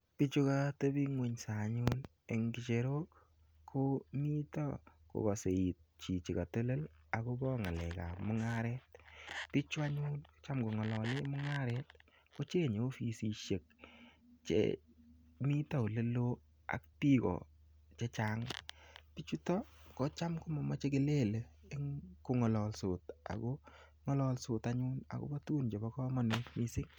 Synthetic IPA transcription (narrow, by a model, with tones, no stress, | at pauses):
pi˦t͡ʃu˦ka˦to˦bi˦ŋwe˨ɲsa˨ɲun | e˨ŋɡi˨t͡ʃe˨ɾo˦kːʰ | o˦mi˦tɔ̰˦ko̰˨kɔ˨se˨i˨t̚t͡ʃi˨t͡ʃi˨ka˨to˦le˦la˨ku˦bɔ˦ŋa˨lɛ˨ka̰˨mʊ˦ŋa˦ɾɛt̚pi˦t͡ʃwa˦ɲu˦nt͡ʃa˦mɡo˨ŋɔ˨lɔ˨le˦mʊ˦ŋa˦ɾɛt̚ | ko˦t͡ʃe˦ɲe˨˦fi˨si˨ʃe˨k̚ | t͡ʃḛ˦ | mi˦ta˦o˨le˦lo˦ | a̰˨kti˦kɔ̰˨ | t͡ʃe˦t͡ʃa˦ŋpi˦t͡ʃu˦tɔ˦kɔ˦t͡ʃa˦mkʊ˦mɔ˨mɔ˨˦t͡ʃe˦ke˦le˦˨le˨ɪ˦ŋko˨ŋɔ˨lɔ˨lso˨ta̰˨ko˦ | ŋɔ˦lɔ˦˧lsʊ˨ta˦ɲʊ˦na̰˨ko̰˦bɔ˦tu˦nt͡ʃe˨bɔ˦kɔ˦mɔ˦ne˦mi˦sɪ˦ŋ